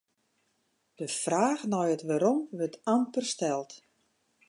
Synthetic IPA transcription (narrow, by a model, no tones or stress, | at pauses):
d̥əfraːxnɔjətʋaɾɔmʋɵrtampərstɛlˠt